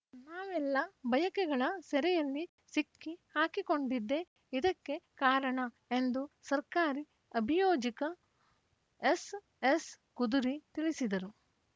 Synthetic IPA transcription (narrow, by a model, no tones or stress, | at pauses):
naːʋɛlːɐbɐjɐkɛɡɐɭɐsɛɾɛjɐlːi | sikːihaːkiko̞ɳɖid̪ːe̞ | id̪ɐkːe̞kaːɾɐɳɐ | e̞nd̪usɐɾkaːɾi | ɐbʱijoːd͡ʒikɐ | es | es | kud̪uɾit̪iɭisid̪ɐɾu